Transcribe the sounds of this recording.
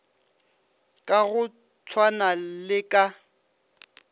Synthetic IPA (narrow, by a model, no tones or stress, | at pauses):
kʼaɣʊ | t͡sʰwanalɪkʼa